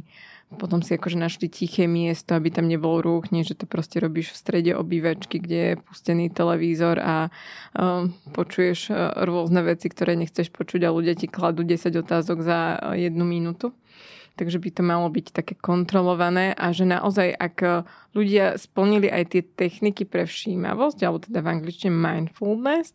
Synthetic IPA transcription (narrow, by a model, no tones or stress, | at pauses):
pɔt̪ɔmsiakɔʒɛnaʃlicixɛːmɪɛst̪ɔabit̪amɲɛbɔlɔɾuːxɲɛʒɛt̪ɔpɾɔscɛɾɔbiːʃfst̪ɾɛɟɛʔɔ̰biːʋat͡ʃkiɡɟɛjɛpu̥scɛniːt̪ɛlɛʋiːzɔɾa | pɔt͡ʃujɛʃɾʊɔznɛʋɛt͡sikt̪ɔɾɛːɲɛxt͡sɛʃpɔt͡ʃuɟaluɟɪaciklad̪uːɟɛsaɟɔt̪aːzɔɡzajɛd̪numinut̪u | t̪aɡʒɛbit̪ɔmalɔbict̪akɛːkɔnt̪ɾɔlɔʋanɛːʔaʒɛna̰ʔɔzajʔa̰kʎuɟɪaspl̩ɲiliʔa̰jt̪ɪɛt̪ɛxnikipɾɛfʃiːma̰ʋɔsɟalɛbɔt̪ɛd̪avaŋɡlit͡ʃt͡ʃiɲɛmajnfulˠd̪nɛs